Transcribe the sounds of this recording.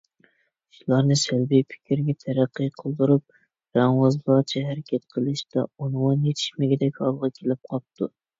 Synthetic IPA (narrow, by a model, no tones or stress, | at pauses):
ʃulˠɑɾnɨsælbipʰɪ̥kʲɾɡʲɛt̪ʰæɾæqːɨjqʰəlˠd̪uɾup̚ | ɾɑŋwɑzlˠɑt͡ʃʰɛɦæɾɪkʲʰɛt̪̚qʰəlˠɨʃd̪ɑ̰onmɑnjet̪ʰɪ̥ʃmɪɡʲɪd̪ɛkʲɑlˠʁɑkʲʰelɪp̚qʰɑp̚t̪ʰu